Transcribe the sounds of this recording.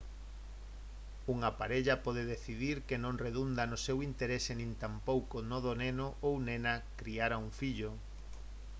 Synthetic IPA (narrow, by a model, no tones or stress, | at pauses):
uŋapaɾeʎapɔðeðeθiðiɾkenõŋreðund̪anosewint̪eɾesenĩnt̪ampowkonoðonenoʔownenakɾiaɾauɱfiʎʊ